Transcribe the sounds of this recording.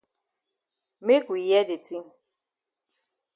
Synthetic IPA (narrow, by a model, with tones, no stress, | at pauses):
me˦ku˨i˨jɛ˦de˨ti˦